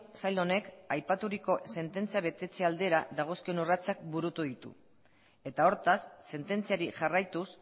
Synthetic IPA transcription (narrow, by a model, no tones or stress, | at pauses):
sajlo̞ne̞kajpat̪uɾiko̞se̞nt̪e̞nt͡siaβ̞e̞t̪e̞t͡se̞ald̪e̞ɾaðaɣ̞o̞skionurat͡sak̚buɾut̪uðit̪ṵ | e̞t̪ao̞ɾt̪asːe̞nt̪e̞nt͡siaɾiʝarajt̪us